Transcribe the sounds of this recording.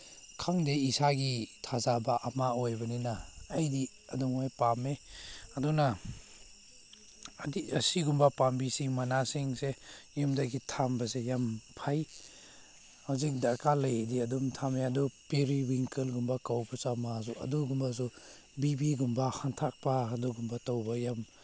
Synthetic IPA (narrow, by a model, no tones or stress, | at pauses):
kʰaŋdeisaɡitʰazabaʔɐmaojbɐninaːjdi | ɐduŋajpameɐduna | diɐsiɡumbapambisimanasiŋsejumdaɡitʰambasejampʰaj | hazik̚dakalajdiɐdumtʰameɐdupeɾiwiŋkelɡumbakawbasamaz̬uɐ̰duɡumbaz̬u | bibiɡumbahantʰak̚paɦaduɡumbatawbajam